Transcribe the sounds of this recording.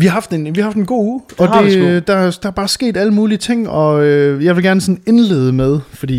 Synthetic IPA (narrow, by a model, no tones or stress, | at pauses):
ʋihɑ̈ɦɑ̈fd̥enʋihɑ̈hɑfd̥enɡ̥o̝̰ːuːɒ̽d̥e̝d̥ɑ̈d̥ɑ̈æɐb̥ɑ̈ːsɡ̥e̝̰ːd̥æləmuːliət͡sʰe̝ŋ̰ɒ̽øjɑ̈ɪʋe̝lɡ̥æɐnəsɔ̽ne̝nle̝̰ːð̞ˠəmeð̞ˠfɒd̥ḭː